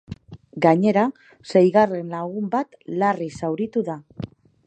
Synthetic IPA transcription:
ɡaɲe̞ɾa | se̞jɣare̞nlaɣumbat̪larisawɾit̪uða

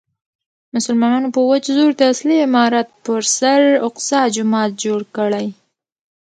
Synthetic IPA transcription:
mʊsʊlmɑnɑnopəwad͡ʒzoɾd̪əasliɪmɑɾat̪̚pəɾsaɾʊqsɑd͡ʒʊmɑt̪̚d͡ʒoɽkəɽaj

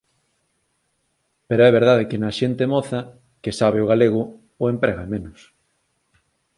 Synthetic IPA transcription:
peɾoɛβ̞eɾð̞að̞ekɪnɐʃent̪emɔθɐ | kesaβ̞eʊɣaleɣʊː | empɾɛɣaemenʊs

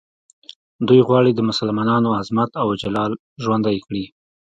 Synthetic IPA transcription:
d̪ujɣwɑɽid̪əmʊsalmɑnɑnoazmat̪awd͡ʒalɑl | ʒwand̪ajkɽi

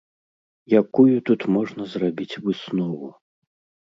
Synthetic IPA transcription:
jakujut̪ut̪mɔʐnɐzrabʲit͡sʲvɨsnɔvu

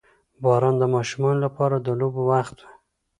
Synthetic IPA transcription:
bɑɾɑnd̪əmɑʃumɑnolapɑɾad̪əlobowaxt̪we̥

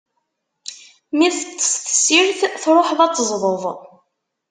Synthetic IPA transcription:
miθt͡sːə̥sθə̥sːiɾθθɾˤoħðɑt͡sˤːəzˤɾˤoðˤ

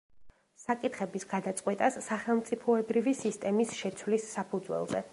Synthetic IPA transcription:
sakʼit̪χɛbisɡ̥ad̪at̪sʼqʼwɛt̪ʼasːaχɛlˠmt̪sʼipʰɔɛbɾivisist̪ʼɛmisʃɛt̪sʰwlisːapʰud̪zwɛ̰lˠzɛ̰

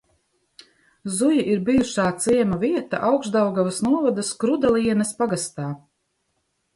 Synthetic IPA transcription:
zujiʔiɾbijuʃaːt̪siɛmaviɛt̪a̰ʔawkzd̪awɡavɐsnuɔvad̪ɐskɾud̪alˠiɛnɐspaɡast̪aː

